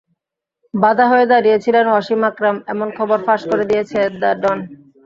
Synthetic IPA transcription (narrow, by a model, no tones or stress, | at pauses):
bad̪ʱaɦoed̪aɾiet͡ɕʰilenaʃimakɾamɛmonkʰɔboɾfaʃkoɾed̪iet͡ɕʰed̪aɖɔn